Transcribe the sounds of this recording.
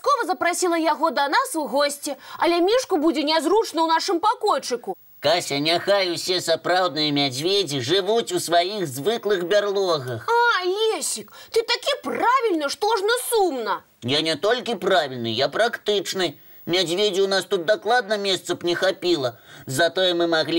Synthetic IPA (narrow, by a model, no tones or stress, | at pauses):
skɔvɐzɐpɾasʲilˠɐjaɣɔd̪ɐnasuɣɔsʲt͡sʲɛɐlʲɛmʲiʂkubud͡zʲɛnʲɛzɾut͡ʂnɐwnaʂɨmpakɔjt͡ʂɨku | kasʲɐnʲaxajuwsʲɛsapɾawd̪̚nɨjɐmʲad͡zʲvʲed͡zʲiʐɨvut͡sʲusvajixzvɨklˠɨxbʲarlˠɔɣɐxalʲesʲikt̪ɨt̪akʲipravʲilʲnɐʂt̪ɔʐnɐsumnɐ | janʲɛt̪ɔlʲkʲipɾavʲilʲnɨ̰japɾakt̪ɨt͡ʂnɨ | mʲad͡zʲvʲed͡zʲiwnast̪ut̪̚d̪aklˠad̪̚nɐmʲɛst̪sɐpnʲɛxapʲilˠɐzat̪ɔjɛmɨmaɣlʲi